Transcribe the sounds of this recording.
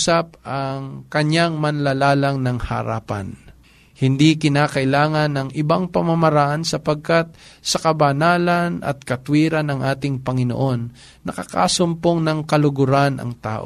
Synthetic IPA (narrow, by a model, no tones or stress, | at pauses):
sap̚ʔɐŋkɐɲaŋmɐnlalaːlɐŋnɐŋhɐ̰ɾa̰ːpɐ̰n | hɪnd̪ikɪnaːkɐʔɪlaːŋɐnɐŋʔɪbaŋpɐmɐmɐɾaʔansɐpɐɡ̚kat̪̚sɐkɐbɐnaːlɐnʔɐ̰t̪̚kɐt̪wiːɾɐnɐŋʔaːt̪ɪŋpɐŋɪno̰ʔo̞nː | ɐkɐka̰sʊmpoŋnɐŋkɐlʊɡʊɾanʔɐ̰ŋt̪a̰ːʔo̰